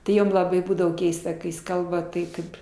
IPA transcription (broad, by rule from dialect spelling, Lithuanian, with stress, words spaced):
tʲɪ ˈjoːm lˠɐˈbɐɪ ˈbuːdɐʋoː ˈkʲɛɪstɐ kɐɪ jɪs ˈkɐlˠbɐ ˈtɐɪ ˈkɐɪp